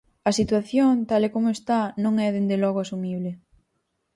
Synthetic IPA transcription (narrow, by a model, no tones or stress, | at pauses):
ɐsit̪waθjont̪alekomʊest̪anõŋɛðend̪elɔɣoasumiβlɪ